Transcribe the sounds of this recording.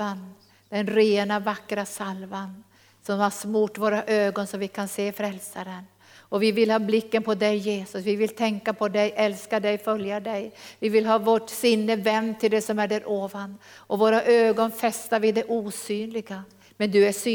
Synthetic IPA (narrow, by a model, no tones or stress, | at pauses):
an | d̪ɛnɾeːnavakːɾasalvan | sɔmhaɾsmuːʈvoːɾaʔøːɡɔnsɔmvɪkʰanseːfɾɛlsaɾən | ɔvɪvɪlhɑːblɪkːənpʰɔd̪ɛjːeːsɵsvɪvɪlt̪ʰɛŋkːapʰɔd̪ɛjʔɛlskad̪ɛjfœljad̪ɛjvɪvɪlɦɑːvoːʈsɪnːəvɛnt̪ʰɪld̪ɛsɔmæɖɛɾʔoːvanʔɔvoːɾaʔøːɡɔnfɛst̪aɾvɪd̪ɛʔuːsyːnlɪɡa | mɛnd̪ɵæsy